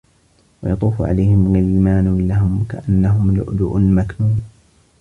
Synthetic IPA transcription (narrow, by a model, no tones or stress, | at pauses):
wɑjɑt̪ˤuːfʊʕa̰lajhɪmɪnaliːmaːnlaɦʊmkaʔanːaɦʊmlʊ̰ʔd̪ʊʔʊnmaknuːn